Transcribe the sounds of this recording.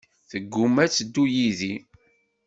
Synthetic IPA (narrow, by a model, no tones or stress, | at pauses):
θəɡːumæt͡sːd̪ːujiði